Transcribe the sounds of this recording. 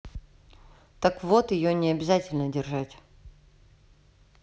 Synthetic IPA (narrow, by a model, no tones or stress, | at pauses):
t̪akvot̪ɪjonʲɪɐbʲɪzatʲɪlʲnədʲɪrʐatʲ